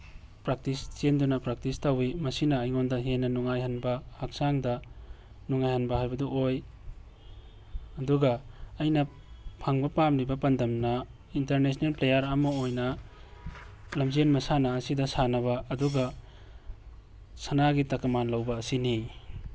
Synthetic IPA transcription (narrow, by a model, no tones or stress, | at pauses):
pɾak̚tist͡ʃendunɐpɾak̚tistawimɐsinɐːjŋondɐɦenːɐnuŋajhɐnbɐhak̚saŋdɐ | nuŋajhɐnbɐɦajbɐduʔoj | ɐduɡɐːjnɐ | pʰaŋbɐpamlibɐpɐndɐmnɐ | intɐɾnes̬nelplejaɾamɐojnɐ | lɐmd͡ʒenmɐsanɐːsidɐsanɐβɐɐduɡɐ | sɐnaɡitɐkɐmanlɐwbɐːsini